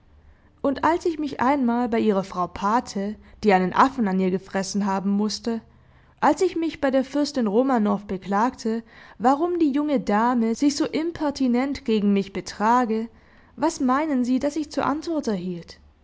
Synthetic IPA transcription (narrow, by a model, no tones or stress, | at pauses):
ʔʊntʔalsɪçmɪçʔa̰ɪnmaːlbaɪʔiːʁ̞ɐfʁ̥aʊpʰaːtʰəd̥iːaɪnənʔafn̩aniːɐɡəfʁ̥ɛsn̩ɦaːbm̩mʊstə | ʔalsɪçmɪçb̥aɪɾeːɐfʏɐstɪnʁoːmanɔɐfb̥əkl̥aːktʰəvaʁ̞ʊmdiːjʊŋədaːməz̥ɪçz̥oːʔɪmpʰɛɐtʰinɛntɡ̥eːɡŋ̩mɪçb̥ətʁ̥aːɡə | vasmaɪnənziːdasɪçt͡suːɐʔa̰ntv̥ɔɐtɛɐhiːlt